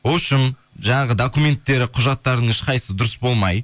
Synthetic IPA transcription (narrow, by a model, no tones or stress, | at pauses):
woʃɪnʒɑɴɑʁəd̪okume̞nt̪ːe̞ɾɪqʰʊʒɑt̪ːɑɾd̪əɴɪʃqʰɑjsəd̪ʊɾəsbo̞lˠmɑj